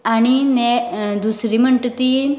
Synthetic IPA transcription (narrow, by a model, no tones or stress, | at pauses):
aɽ̃inɛd̪usɾiməɳʈt̪iː